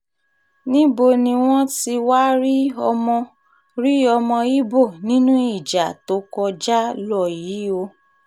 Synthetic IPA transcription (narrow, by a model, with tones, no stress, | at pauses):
nĩ˦bo˧˨nĩ˧w̃ɔ̃˦ti˧wa˦ɾi˦ɔ˧mɔ̃˧ | ɾi˦ɔ˧mɔ̃˧i˦bo˦˨nĩ˦nũ˦i˦˨d͡ʒa˨to˦kɔ˧d͡ʒa˦lɔ˦˨ji˨˦o˧˦